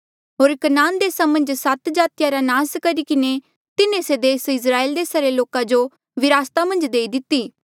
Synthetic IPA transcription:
ɦoːɾkɐnaːnd̪eːsamɐ̃nd͡ʒsɐt̪d͡ʒaːt̪ɪjaɾanaːskɐɾikɪne | t̪ɪnẽsed̪eːsɪs̬ɾaːeːld̪eːsaɾeloːkãd͡ʒo | ʋɪɾaːst̪amɐ̃nd͡ʒd̪eːid̪ɪt̪ːiː

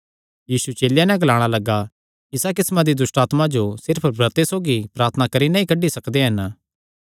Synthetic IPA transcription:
jiːsut͡ʃeːljanɛ̃ɡɐlaːɽ̃alɐɡa | ɪsak̬ɪsmãd̪id̪ʊsʈaːt̪mad͡ʒosɪɾpʰbɾɐt̪esoːɡipɾaːɾt̪ʰənakɐɾinãɦĩkɐɖːisɐkd̪eɦɐn

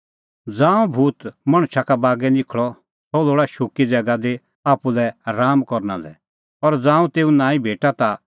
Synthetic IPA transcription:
d͡zãːũbʱuːt̪mɐɽ̃ʃakabaːɡɛnɪkʰɭɔ | t̪ɔloːɽaʃʊkid͡zɛɡad̪e | aːpulɛɾaːmkɔɾna̰lɛ̰ | ɔɾd͡zãːũt̪eːũnãːĩbʱeːʈat̪a

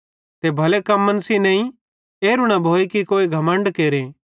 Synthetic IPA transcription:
t̪ebʱɐlekɐmːənsinɐ̃ːĩ | eːɾʊɽ̃abʱoːikikoːiɡʱɐmə̃ɳɖkeːɾe

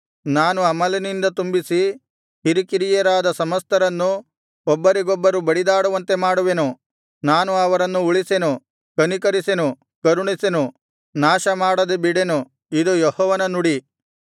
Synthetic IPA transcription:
naːnuɐmɐlɐnind̪ɐt̪umbisi | hiɾikiɾijɐɾaːd̪ɐsɐmɐst̪ɐɾɐnːu | ɔbːɐɾiɡɔbːɐɾubɐɽid̪aːɽuʋɐnt̪e̞maːɽuʋe̞nu | naːnuɐʋɐɾɐnːuuɭise̞nu | kɐnikɐɾise̞nu | kɐɾuɳise̞nu | naːʃɐmaːɽɐd̪ebiɽe̞nu | id̪ujɔhɔːʋɐnɐnuɽi

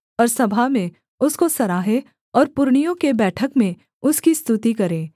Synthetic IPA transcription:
ɔːɾsɐbʱamẽ | ʊskosɐɾaːɦẽ | ɔːɾpʊɾɳijõkebɛːʈʰəkmẽ | ʊskist̪ut̪ikɐɾẽː

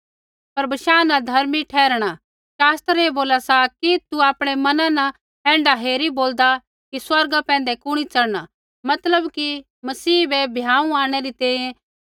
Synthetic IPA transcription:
pɐɾbɪʃaːnɐd̪ʱɐɾmiʈʰɛːɾɽ̃a | ʃaːst̪ɾeːboːlasakit̪uaːpɽ̃emɐnãnɐ | ɛ̃ːɳɖaɦeːɾiboːld̪a | kiswɐɾɡapɛ̃ːnd̪ekʊɽ̃it͡sɐɽɽ̃a | mɐt̪ləbki | mɐsiːbɛbʱjãːũaːɽ̃eɾit̪ɛ̃ːjẽ

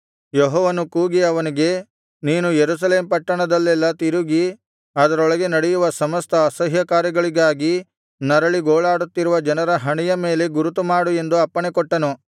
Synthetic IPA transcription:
jɔɦɔːʋɐnukuːɡiɐʋɐniɡe̞ | niːnujeɾuːs̬ɐleːmpɐʈːɐɳɐd̪ɐlːɛlːɐt̪iɾuɡi | ɐːd̪ɐɾɔɭɐɡe̞nɐɽɛjuʋɐsɐmɐst̪ʰɐːsɐɦjɐkaːɾjɐɡɐɭiɡaːɡi | nɐɾɐɭiɡoːɭaːɽut̪ːiɾuʋɐd͡ʒɐnɐɾɐɦɐɳijɐme̞ːle̞ɡuɾut̪umaːɽue̞nd̪uɐpːɐɳekɔʈːɐnu

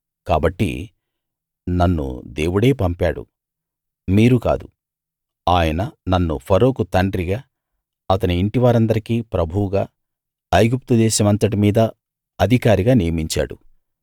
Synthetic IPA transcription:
kaːbɐʈːḭ | nɐnːṵd̪e̞ːwuɽe̞ːpɐmpaːɽṵ | miːɾuka̰ːd̪u | aːjɐnɐnɐnːṵpʰɐɾo̞ːkut̪ɐɳɖɾiɡaː | ɐt̪ɐniːɳʈiʋaːɾɐnd̪ɐɾikiːpɾɐbʱuwɡaː | ɐjɡup̚t̪ud̪ɛːʃɐmɐnt̪ɐʈ̬imiːd̪ɐ | ɐd̪ʱikaːɾiɡaːnijɐmiɲt͡ʃa̰ːɽṵ

